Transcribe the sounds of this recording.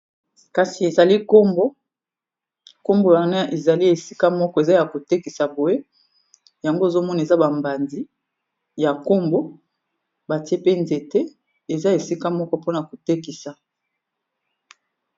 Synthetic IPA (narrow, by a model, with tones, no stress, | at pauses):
ka˨si˨e˨za˨li˦ko˦mbo˦ | ko˦mbo˨ja˨na˦ʔe˨za˨li˦e˨si̥˦ka˦mɔ˦kɔ˦e˨za˦ja˨ko˨te˦ki˨sa˨bo˨je˦ | ja˨ŋɡo˦e˨zo˦mɔ˦na˨e˨za˦ba˨mba˨nzi˦ | ja˨ko˦mbo˦ | ba˨ti˦e˦pe˦nze˨tɛ˦ | e˨za˦e˨si˦ka˦mɔ˦kɔ˦po˦na˨ko˨te˦ki˨sa˨